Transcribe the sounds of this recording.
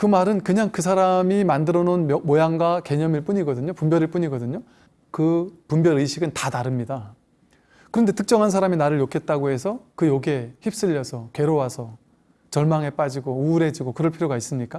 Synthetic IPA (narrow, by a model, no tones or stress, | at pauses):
kɯmaɾɯnkɯɲaŋkɯsʰaɾamimandɯɾʌnonmojaŋɡwake̞ɲʌmiɭp͈uɲiɡʌdɯɲopumbjʌɾiɭp͈uɲiɡʌdɯɲo | kɯpumbjʌɾɯɕʰiɡɯntataɾɯmɲida | kɯɾʌnde̞tɯk̚t͡ɕ͈ʌŋɦansʰaɾaminaɾɯɭjokʰe̞t̚t͈aɡoɦe̞sʰʌkɯjoɡe̞çip̚s͈ɯʎːʌsʰʌkwe̞ɾowasʰʌ | t͡ɕʌɭmaŋe̞p͈ad͡ʑiɡouːɾe̞d͡ʑiɡokɯɾʌɭpʰiɾjoɡais͈ɯmɲik͈a